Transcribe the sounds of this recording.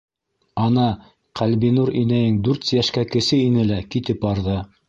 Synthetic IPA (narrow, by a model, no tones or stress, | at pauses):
ɑnɑ | qælbinuɾinæjɘŋd̪ʉɾt̪jæʃkækɘ̆sɘinɘlækit̪ɘpɑɾðɤ